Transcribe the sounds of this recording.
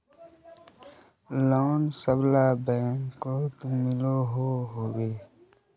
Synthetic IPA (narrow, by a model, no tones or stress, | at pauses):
loːnsəblabɛːŋkkot̪umɪloɦoːɦoːɡeː